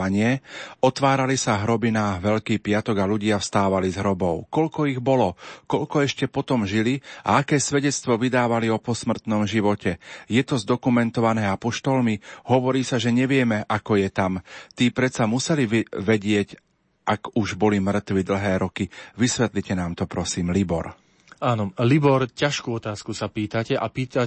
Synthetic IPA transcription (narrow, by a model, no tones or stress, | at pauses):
aɲɪɛɔt̪ʋaːɾalisaɦɾɔbinaʋɛʎkiːpɪat̪ɔɡaluɟɪafst̪aːʋalizɦɾɔbɔʊkɔʎkɔiɣbɔlɔkɔʎkɔɛʃcɛpɔt̪ɔmʒilia̰akɛːsʋɛɟɛt͡st̪ʋɔʋid̪aːʋaliɔpɔsmr̩t̪nɔmʒiʋɔcɛjɛt̪ɔzd̪ɔkumɛnt̪ɔʋanɛːapɔʃt̪ɔlmiɦɔʋɔɾiːsaʒɛɲɛʋɪɛmɛʔakɔjɛt̪amt̪iːpɾɛt̪samusɛliʋɛɟɪɛc | ʔakuʒbɔlimr̩t̪ʋid̪l̩ɦɛːɾɔkiʋisʋɛt̪licɛnaːmt̪ɔpɾɔsiːmlibɔ̰ɾ | aːnɔlibɔɾcaʃkuɔt̪aːskusapiːt̪acɛʔapiːt̪a